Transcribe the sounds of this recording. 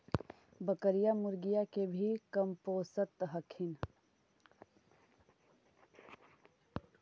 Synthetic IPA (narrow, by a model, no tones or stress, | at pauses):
bəkəɾijamʊɾɡijakebʱikəmpoːsət̪ɦəkʰɪn